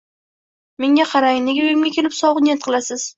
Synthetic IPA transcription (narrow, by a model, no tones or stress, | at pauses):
me̞ŋʲaqʰɑɾajɪnɪɡʲɪojɪmɡʲakʲʰe̞lɪpsɒwˠɨnʲet̪̚qʰɨlˠasɪz̥